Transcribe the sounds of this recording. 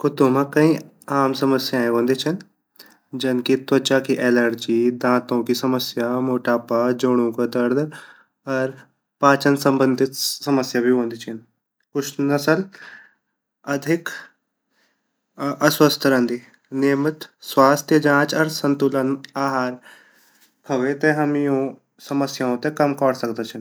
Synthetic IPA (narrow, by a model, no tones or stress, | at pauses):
kut̪õmãkɐ̃ɦĩ | aːmsɐməsjãːẽʋõːnd̪it͡ʃʰɐn | d͡ʒɐnkit̪ʋɐt͡ʃaːkiʔeləɾd͡ʒiːd̪ãːt̪õkisɐməsjamoːʈaːpad͡ʒoɽ̃ũːkɐd̪ɐɾd̪ | ɐɾ | paːt͡ʃɐnsɐmbənd̪ʱit̪sɐməsjabʱiʋõːnd̪ʱit͡ʃʰin | kut͡ʃnɐsəl | ɐd̪ʱik | ʔɐsʋəst̪ʰəɾə̃nd̪i | nemət̪sʋaːst̪ʰjəd͡ʑãt͡ʃɐɾsənt̪ulənaɦaɾ | pʰɐɡẽt̪ẽɦəmijõ | səməsjãɦot̪ẽkɐmkaɽsəɡd̪at͡ɕʰin